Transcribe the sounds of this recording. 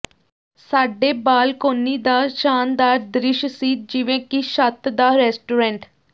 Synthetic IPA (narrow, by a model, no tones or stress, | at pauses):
saːɖeːbaːlkoːnːiːd̪aːʃaːnd̪aːɾd̪ɾɪʃsiːd͡ʒɪʋẽːkiʃət̪d̪aːɾɛːsʈuːɾɛ̃ːɳʈ